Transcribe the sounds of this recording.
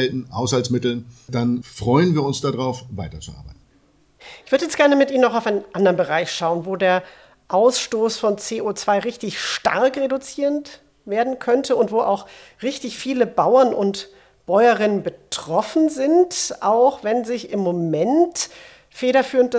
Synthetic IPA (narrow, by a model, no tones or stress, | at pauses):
ɛltn̩haʊshalsmɪtl̩nd̥anfʁ̥ɔʏənviːɐʊnsd̥adʁaʊfvaɪtɐt͡suʔa̰ɐbaɪt̚n̩n | ʔɪçv̥ʏɐdəjɛt͡stɡ̥ɛɐnəmɪtʔiːmənɔaʊfʔaɪnənʔandɐʁnbəʁaɪçʃaʊənvoːdeːɐ | ʔaʊsʃtoːsfɔnt͡seːʔot͡sv̥aɪʁɪçtɪçʃta̰ɐkʁedut͡siːʁənt | veːɐdn̩kʰœntʰəʊntv̥oːʔaʊx | ʁɪçtɪçfiːləbaʊɐnʔʊnt | b̥ɔʏəʁɪnənbətʁ̥ɔfn̩zɪntʔaʊxvɛnzɪçɪmːomɛnt | feːɾɐfyːʁənt̚d̥